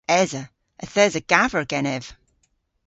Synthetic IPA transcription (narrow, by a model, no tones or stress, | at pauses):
ɛzə | əθɛzəɡ̥avəɹɡɛnɛv̥